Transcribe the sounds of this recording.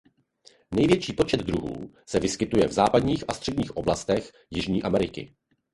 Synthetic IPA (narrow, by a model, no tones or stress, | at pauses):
nɛjvjɛt͡ʃiːpo̞t͡ʃɛd̪dɾuɦṵː | sɛvɪskɪt̪ujɛvzaːpadɲiːxʔast̪r̝̥ɛdɟɲiːxʔo̞blast̪ɛx | jɪʒɲiːʔamɛɾɪkɪ̰